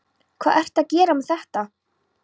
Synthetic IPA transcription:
kʰvaːðɛr̥t̪aðcɛːɾamɛθɛht̪a

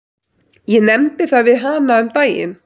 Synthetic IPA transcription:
jɛnɛmt̪ɪθaðvɪðɦaːnaʏmt̪aːjɪ̰n

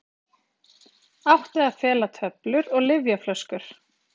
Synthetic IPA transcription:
awht̪ɪaðfɛːlat̪ʰœplʏɾɔɣlɪvjaflœskʏɾ̥

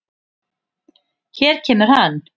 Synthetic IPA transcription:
çɛːɾ̥cʰɛːmʏɾ̥han

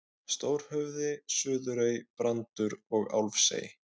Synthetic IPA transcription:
st̪oːwɾ̥hœvðɪsʏːðʏɾœjpɾant̪ʏɾɔɣa̰wlfsḛːj

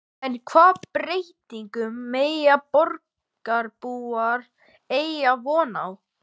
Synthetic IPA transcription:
ɛnkʰvaːpɾejt̪iŋkʏmːeːjapɔɾk | aɾpuːaɾ | ejavɔːna̰w

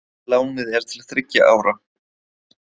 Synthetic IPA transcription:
laːwnɪðɛɾ̥t̪ʰɪlaðθɾɪcːa̰ʔaːwɾa

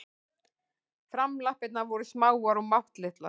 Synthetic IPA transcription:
fɾamlahpɪt̪navɔɾʏsmaːwaɾumawht̪lɪht̪la̰

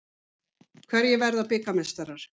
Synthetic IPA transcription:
kʰvɛɾjɛvɛɾðapɪkamɛst̪aɾaɾ̥

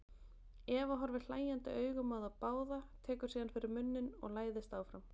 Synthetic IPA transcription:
ɛːvaɦɔɾvɪl̥aːjant̪ɪ̰œːɥɣʏmaːwðapaːwðat̪ʰɛːkʏɾsiːðanfɪɾɪɾmʏnːʏnɔ̰ɣlaːjðɪst̪aːwfɾam

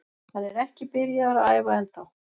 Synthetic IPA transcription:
θaðɛɾɛhcɪpɪɾɪjaðaɾaaːjvaɛnθaw

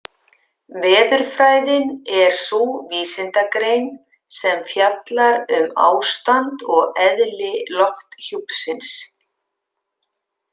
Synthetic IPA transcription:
vɛːðʏɾ̥fɾaːjðɪnɛɾ̥suviːsɪnt̪akɾejn | sɛmfjat̪laɾʏma̰ːwst̪ant̪ɔɣɛðlɪlɔft̪çupsɪns

